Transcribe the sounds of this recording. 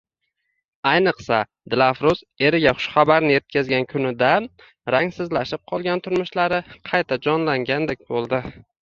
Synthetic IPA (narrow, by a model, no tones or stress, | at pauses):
ajnɨqsa | d̪̥ɪlˠafɾʊz | e̞ɾɪɡʲaχʊ̥ʃχɑbaɾnɪje̞t̪̚kʲʰazɡʲankʰʊnɪd̪a | ɾaŋsɪzlaʃɪp̚qʰɒlˠɡʲant̪ʰʊɾmʊʃlaɾɪqʰɑjt̪ʰad͡ʒɒnlaŋɡʲand̪ek̚ʲbolˠd̪ɪ